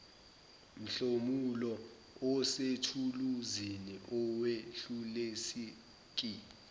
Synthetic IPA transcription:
m̩ɬomulɔ | ɔsetʰuluziniʔɔweɬulesi | k̬ʼi

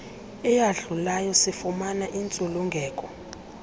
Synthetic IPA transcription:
ɛjaɮulajɔsifumanaʔint͡sʼuluŋɡʱɛːkʼɔ

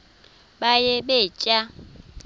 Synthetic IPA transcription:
bajɛbet͡ʃʼa

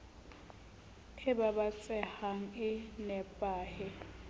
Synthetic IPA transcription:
ɪbabat͡sʼɛhaŋ̩ɪnɛpʼaːhɪ

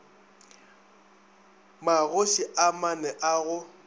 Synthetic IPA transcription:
maɣoʃiʔamanɛʔaɣʊ

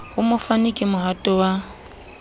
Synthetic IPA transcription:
hʊmʊfanikʼɪmʊɦatʼɔwa

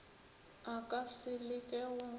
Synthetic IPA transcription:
akʼasɪlɪkʼɛwʊ

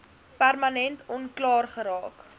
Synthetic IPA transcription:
pærmɐnɛntɔnklɑːrχəɾɑːk

